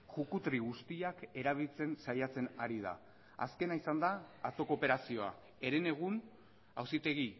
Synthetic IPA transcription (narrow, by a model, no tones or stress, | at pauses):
ʝukut̪ɾiɣust̪iake̞ɾaβ̞ilt͡se̞nsajat͡se̞naɾið̞a̰ | a̰ske̞naisand̪aːt͡so̞ko̞pe̞ɾasio̞a | e̞ɾe̞ne̞ɣ̞un | a̰wsit̪e̞ɣi